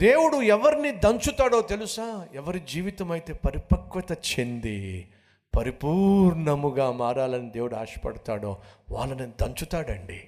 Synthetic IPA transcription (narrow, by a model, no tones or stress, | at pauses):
d̪eːwuɽuɛʋɐɾinid̪ɐɲt͡ʃut̪aːɽo̞ːt̪elusaːɛʋɐɾid͡ʒiːʋit̪ɐmɐjit̪e̞ːpɐɾipɐkʋɐt̪ɐt͡ʃend̪i | pɐɾipuːɾɳɐmuɡaːmaːɾaːlɐnid̪eːwuɽuaːʂɐ̥pɐ̰ɽɐt̪aːɽo̰ːʋa̰ːɭːɐnid̪ɐɲt͡ʃut̪aːɽɐɳɖi